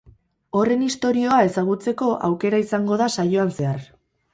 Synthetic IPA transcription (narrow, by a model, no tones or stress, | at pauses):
o̞re̞nist̪o̞ɾio̞ae̞saɣ̞ut͡se̞ko̞ʔa̰wke̞ɾaisaŋɡo̞ðasajo̞anse̞ar